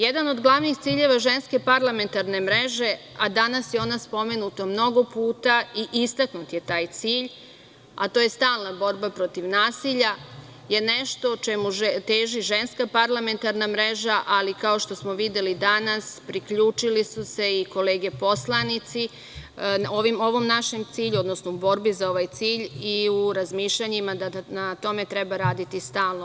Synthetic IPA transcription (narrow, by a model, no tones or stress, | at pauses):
jed̪ano̞d̪ɡlˠaʋnixt̪siːʎe̞ʋaʒe̞nske̞paɾlˠame̞nt̪aɾne̞mɾe̞ʒe̞ | ad̪anasjeo̞ːnaspo̞me̞nut̪omno̞ɡo̞puːt̪aiʔist̪aknut̪je̞t̪aːjt̪siːʎ | a̰t̪o̞ːje̞st̪aːlˠnabo̞ɾbapɾo̞t̪iʋnaːsiʎa | je̞neʃt̪o̞t͡ʃemut̪eːʒiʒe̞nskapaɾlame̞nt̪aɾnamɾe̞ʒaʔalikao̞ʃt̪o̞smo̞ʋid̪je̞lid̪anaspɾikʎuːt͡ʃilisuse̞iko̞le̞ːɡe̞po̞slˠanit̪si | o̞ʋimo̞ʋo̞mnaʃe̞mt̪siːʎuo̞d̪nosnoubo̞ɾbizao̞ʋajt̪siːʎiuɾazmiːʃʎaɲimad̪anat̪o̞me̞t̪ɾe̞baɾaːd̪it̪ist̪aːlˠno